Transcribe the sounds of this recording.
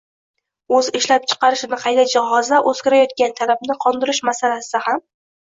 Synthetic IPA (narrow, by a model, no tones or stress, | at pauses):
ɵzɪʃlap̚t͡ʃʰɨ̥qʰɑɾɪʃɪnɪqʰɑjd̪ad͡ʒɪhɒzaʔɵzkʲɪɾajɒt̪̚kʲant̪ʰalabnɪqʰɒnd̪ɪɾɪʃmasalasɪd̪aham